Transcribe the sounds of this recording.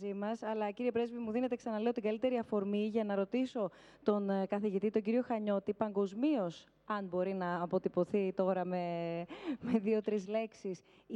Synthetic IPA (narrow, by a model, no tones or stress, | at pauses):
zimɐsɐlɐciɾie̞pɾe̞zvimuðine̞t̪e̞ksɐnɐle̞o̞t̪iŋɡɐlit̪e̞ɾiɐfo̞ɾmiʝɐnɐɾo̞t̪iso̞ | t̪o̞nkɐθiʝit̪it̪oɲɟiɾio̞xɐɲo̞t̪ipɐŋɡo̞zmio̞s | ɐnbo̞ɾinɐːpo̞t̪ipo̞θit̪o̞ɾɐme | meðio̞t̪ɾizle̞ksis